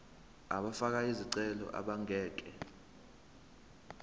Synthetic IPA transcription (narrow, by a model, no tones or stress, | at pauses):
aɓafak̬aiziǀɛlɔ̰ʔa̰ɓaŋʱɛːk̬ʼɛ